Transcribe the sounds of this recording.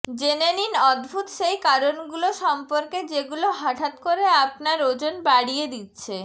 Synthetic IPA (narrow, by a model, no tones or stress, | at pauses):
d͡ʑeneninɔd̪bʱut̪ʃejkaɾonɡuloʃɔmpoɾked͡ʑeɡuloɦaʈʰat̪koɾeapnaɾod͡ʑonbaɽijed̪itːɕʰe